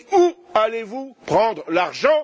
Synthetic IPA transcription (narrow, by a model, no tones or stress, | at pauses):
ualevupχɑ̃d̪ʁlaʁʒɑ̃